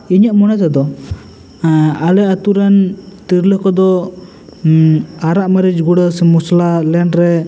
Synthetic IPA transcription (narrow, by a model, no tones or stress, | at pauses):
iɲaʔmɔnat̪ad̪ɔ | alɛʔat̪uɾant̪iɾləkɔd̪ɔ | aɾaʔməɾid͡ʒɡuɽəsmɔslalɛɳɖɾɛ